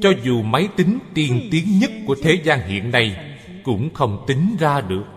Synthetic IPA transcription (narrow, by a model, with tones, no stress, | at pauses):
t͡ɕɔ˧zu˨˩ma˨˦jt̪ï˨˦ŋ̟t̪i˨˩ənt̪i˨˦əŋɲə˦˥t̚ku˧˩ət̪ʰe˨˦zaː˧ŋɦḭ˧˨ənːa˨˩j | kʊ̰˧˥ŋ͡mxə˧wŋ͡mt̪i˨˦ŋ̟zaː˧ɗɨ˨˩ək̚